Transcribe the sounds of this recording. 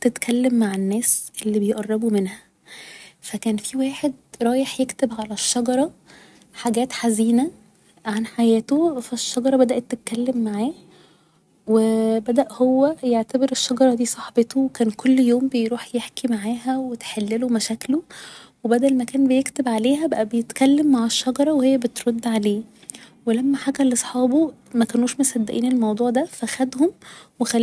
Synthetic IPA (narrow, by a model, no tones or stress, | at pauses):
t̪et̪kʰælːemːaʕenːæːsʔelːibejʔɑrˤːɑbomenhæ | fækæːnfiwæːħed̪ɾˤɑːjeħjekt̪ebʕalæʃːɑɡɑɾˤɑ | ħaɡæːt̪ħaziːnæ | ʕanħajæːt̪ofæʃːɑɡɑɾˤɑbæd̪æʔet̪ːet̪̚kælːemːaʕaː | webæd̪æʔhowːæjeʕt̪æbeɾeʃːɑɡɑɾˤɑd̪iːsˤɑħbet̪owekæːnkʰolːjoːmbejɾuːħjeħkimaʕaːɦæwet̪ħelːelomæʃæːklowebæd̪ælmækæːnbejekt̪ebʕaleːɦæbæʔæbejet̪kælːemːaʕeʃːɑɡɑɾˤɑwehejːæbet̪ɾod̪ːʕaleː | welæmːæħaːɡælːesˤħɑːbo | mækænuːʃmosæd̪ːæʔiːnelmɑwd̪ˤuːʕd̪æfæxæd̪homwexæl